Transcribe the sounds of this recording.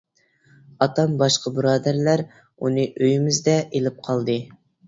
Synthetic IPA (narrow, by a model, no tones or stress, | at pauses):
ɑt̪ɑmbɑʃqʰəbɨɾɑːd̪æɾlæɾ | unɨʔøjɪmɪzd̪ɛʔelɪp̚qʰɑlˠd̪ɨ